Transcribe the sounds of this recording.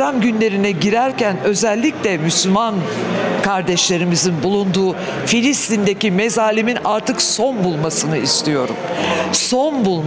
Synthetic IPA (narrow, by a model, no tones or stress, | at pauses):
ɾamɟynlʲe̞ɾinɛɟiɾæɾcænø̞zɛlʲːiclʲɛmyslʲymankʰaɾd̪ɛʃlʲe̞ɾimizinbulˠund̪uː | filʲist̪ind̪ecimezaːlʲiminaɾt̪ʰɯkso̞nbulˠmasɯnɯist̪ʰijo̞ɾṵm | so̞nbulˠ